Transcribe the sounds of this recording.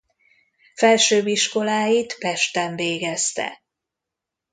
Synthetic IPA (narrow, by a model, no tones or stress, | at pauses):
fɛlʃøːbiʃko̞laːjit̪pɛʃt̪ɛɱveːɡɛst̪ɛ̰